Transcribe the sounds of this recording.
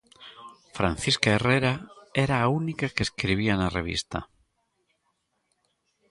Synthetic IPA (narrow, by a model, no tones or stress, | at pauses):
fɾã̰n̟θiskaereɾaeɾaːunikakeskɾiβ̞ianareβ̞ḭst̪a̰